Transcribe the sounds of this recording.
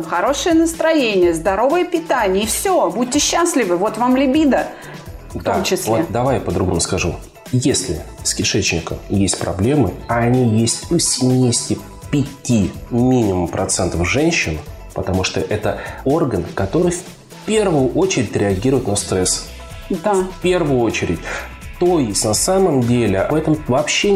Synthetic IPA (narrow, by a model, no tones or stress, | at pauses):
xɐɾo̞ʂɨjənəst̪ɾɐjenʲɪjəzd̪ɐɾo̞vɨjəpʲɪt̪anʲɪjəfsʲobudʲtʲɪɕːaslʲɪvɨvo̞t̪vamlʲɪbʲid̪ə | fd̪t̪oamt͡ɕɪsʲlvoed̪ɐvajpəd̪ɾʊɡomʊskɐʐṵ | jesʲlʲɪ̰skʲɪʂɛt͡ɕnʲɪkə̰jesʲt̚ʲpɾɐ̰blʲe̞mɨ̰aɐnʲijesʲtʲʊsʲɪmʲejɪsʲtʲɪ | pʲɪtʲimʲinʲɪmʊmpɾɐt̪sɛnt̪əfʐɛnʲɕːɪn | pət̪ɐmuʂt̪oʔɛt̪əo̞rɡənkɐt̪o̞ɾɨjf | pʲervʊjʊʔo̞t͡ɕɪɾʲɪtʲɾʲɪɐɡʲiɾʊjɪt̪nɐst̪ɾɛs | d̪apʲe̞rvʊjʊo̞t͡ɕɪɾʲɪ̰tʲ | t̪ojɪsʲnɐsaməmdʲelʲɪɛt̪əmvɐpɕːe